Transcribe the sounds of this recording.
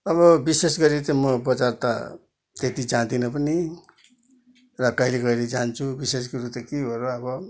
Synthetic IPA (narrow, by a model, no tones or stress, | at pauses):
ʌβʌbisesɡʌɾit̪ʌmʌbʌt͡sart̪a̰ | t̪et̪id͡zãt̪inʌpʌni | rʌkʌɦilekʌiled͡zant͡sʰubises̬koɾut̪ʌkibʱʌɾoʌbʌ